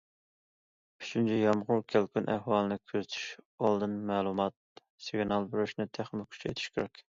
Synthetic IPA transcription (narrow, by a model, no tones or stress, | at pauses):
yt͡ʃʰynt͡ʃʰɛjɑmʁʊɾkʲʰælkʲʰynʔɛhwɑːlˠɨnɨkʲʰøzɪt̪ʰy̥ʃɑlˠd̪ɨnmæːlˠumɑt̪̚ | sɪɡʲnɑlˠbyɾyʃnɪt̪ʰæχmɪkʲʰy̥t͡ʃʰɛḛt̪ʰi̥ʃkʲʰeɾɛkʲ